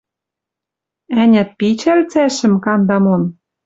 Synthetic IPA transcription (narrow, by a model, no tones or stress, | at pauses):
ænʲæ̆t̪̚pit͡ɕælt͡sæʃɘ̆mkɑnd̪ɑmon